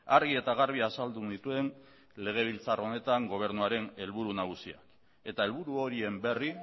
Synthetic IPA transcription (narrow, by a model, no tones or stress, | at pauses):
aɾɣie̞t̪aɣaɾβiasald̪unit̪ue̞n | le̞ɣ̞e̞β̞ilt͡saro̞ne̞t̪aŋɡo̞β̞e̞ɾnuaɾe̞ne̞lβuɾunaɣ̞usia̰k | e̞t̪ae̞lβuɾuo̞ɾie̞mbe̞ri